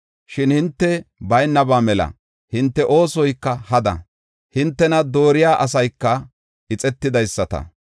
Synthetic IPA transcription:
ʃɪnhɪnt̪ːɛbɐjnːɐbaːmɛlɐ̰ | hɪnt̪ːɛʔo̞ːsɔjkːɐhɐd̪ɐ̰ | hɪnt̪ːɛnɐd̪o̞ːɾɪjaːʔɐsɐjkːɐ | ɪt͡sʼɛt̪ːɪd̪ɐjsːɐt̪ɐ̰

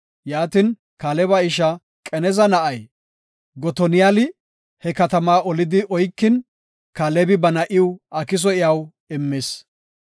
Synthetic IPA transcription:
jaːt̪ɪn | kɐlɛbɐɪʃɐ | kʼɛnɛzɐnɐʔɐj | ɡɔt̪ɔnɪjalɪ | hɛkɐt̪ɐmaːʔɔlɪd̪ɪʔɔjkːɪn | kɐlɛbɪbɐnɐʔɪwɐkɪs̬ɔɪjɐw | ɪmːes

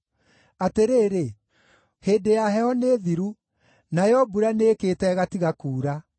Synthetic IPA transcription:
ateɾeːɾe | heːdejaɦɛɔneðiɾu | najɔbuɾaneːketɛɣatiɣakuːɾa

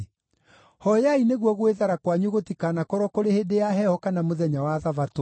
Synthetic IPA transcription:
hɔjaineɣwɔɣweðaɾakwaɲuɣotikaːnakɔɾɔkoɾehedejaɦɛhɔkanamoðɛɲawaðavato

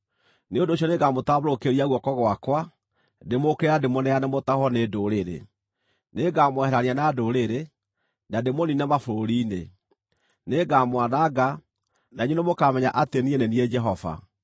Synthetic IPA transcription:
neondoːɕ̬jɔneɡamotaβoɾokeɾiaɣwɔkɔɣwakwa | demokɛɾademonɛanamotahɔnedoɾeɾḛ | neɡamwɛhɛɾaɾianaːdoɾeɾe | nademoninamafoɾoɾiːne | neɡamwanaɡa | naiɲonemokamɛɲaʔatenieneniɛd͡ʒɛɦɔva̰

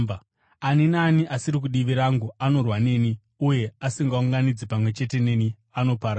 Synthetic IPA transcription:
aninaːniʔasiɾik̬uɗiʋiɾaŋɡuano̞rwane̞ːni | uje̞asiŋɡauŋɡanid͡zipamwe̞t͡ʃe̞te̞ne̞ːni | ano̞paɾa

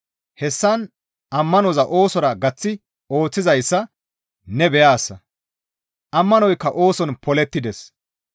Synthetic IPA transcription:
hɛsːɐn | ʔɐmːɐnɔzɐʔo̞ːsɔɾɐɡɐt͡sːɪ | o̞ːt͡sːɪzɐjsːɐ | nɛbɛjaːsːɐ | ʔɐmːɐnɔjkːɐʔo̞ːsɔnpɔlɛt̪ːɪd̪ɛs

